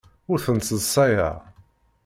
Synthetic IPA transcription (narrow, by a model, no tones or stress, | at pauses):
ʊɾθənsəsˤːɑja̰